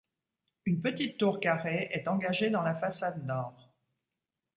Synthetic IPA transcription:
ynpət̪it̪ːuʁkaʁeʔɛt̪ɑ̃ɡaʒed̪ɑ̃lafasad̪nɔːʁ

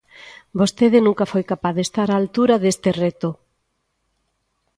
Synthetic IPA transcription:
bost̪eðɪnũŋkɐfojkapaððest̪aɾaːlt̪uɾaðest̪eret̪o

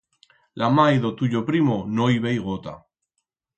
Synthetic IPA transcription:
lamajðot̪uʎopɾimonojiβejɣ̞ot̪a̰

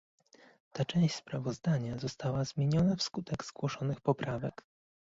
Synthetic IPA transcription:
t̪at͡ʂɛ̃w̃ɕspɾavɔzd̪aɲazɔst̪awazmʲjeɲɔnafskut̪ɛɡz̥ɡwɔʂɔnɘxpɔpɾavɛk

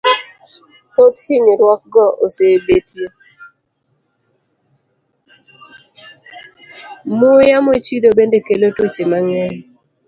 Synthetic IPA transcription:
t̪ot̪hiɲɾwɔk̚ɡɔʔosebetje | mʊjamot͡ʃidobendekelotot͡ʃemaŋɛn

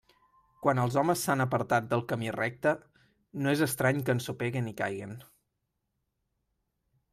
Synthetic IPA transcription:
kwanəlˠzɔməsːanəpəɾt̪at̪̚d̪əlˠkəmirɛk̚t̪ə | noezəst̪ɾaɲkənsupeɣinika̰jɣin

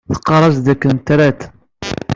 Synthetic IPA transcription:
θə̥qːɑɾˤɑsd̪ækːənt̪ɾæt̪

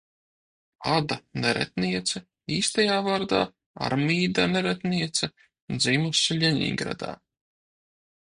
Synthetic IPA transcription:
ad̪anɛɾɛ̰t̪niɛt̪sɐ | iːst̪ajaːvaːɾd̪a̰ː | a̰ɾmʲiːd̪anɛɾɛt̪niɛt̪sɐ | d̪ziːmusʲilʲɛɲʲḭŋɡɾa̰d̪a̰ː

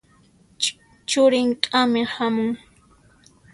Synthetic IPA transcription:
t͡ʃʊɾɪŋkʼamɪhamʊŋ

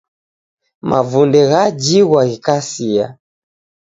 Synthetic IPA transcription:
mavundɛɣad͡ʒiɣwaɣikasia̰

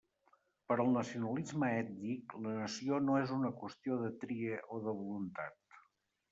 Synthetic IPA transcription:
pəɾəlˠnəsiunəlizməɛt̪niklənəsionoezunəkwəst̪ioðət̪ɾieʔoðəβ̞ulunt̪a̰t̪

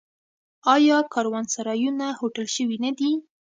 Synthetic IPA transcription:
ɑjɑkɑɾwɑnsaɾɑjunahoʈəlʃəwinad̪i

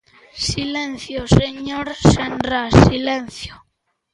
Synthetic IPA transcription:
silen̟θjoseɲoɾsenrasilen̟θjo

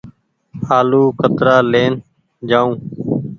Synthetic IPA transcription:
aːluːkət̪ɾaːleːn | d͡ʒaːũː

